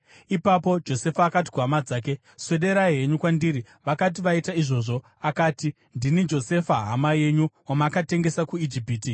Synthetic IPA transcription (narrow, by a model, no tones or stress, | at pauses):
ipapo̞d͡ʒo̞se̞faːkat̬i̥kuɦamad͡zaːk̬e̞ | sweɗe̞ɾaɦe̞ɲukwandiɾi | ʋakat̬iʋaitaiʐo̞ʐo̞ | akaːti | ndinid͡ʒo̞se̞faɦa̰maje̞ɲuwamakate̞ŋɡe̞sakuid͡ʒipiːti